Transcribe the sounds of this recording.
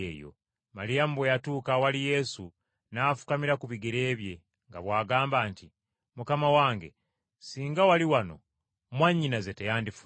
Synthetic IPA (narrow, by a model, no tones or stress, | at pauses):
ḛːjo̰ | malijam̩bwejatuːkawalije̞su | naːfu̥kamiɾakuβiɡeɾe̞ːβje̞ | ŋɡaβwaːɡaːmbaːnti | mukamawaːŋɡe̞̰ | siːŋɡawaliwano̞̰ | mwaɲːinazetejaːndifu